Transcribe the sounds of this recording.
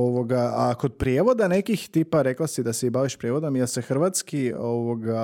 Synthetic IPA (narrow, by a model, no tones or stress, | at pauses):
oʋoɡaako̞d̪̚pɾjeːʋo̞d̪ane̞kixt̪iːpaɾe̞klasid̪aseibaʋiʃpɾje̞ʋo̞d̪omjesexr̩ʋat̪skioʋoɡa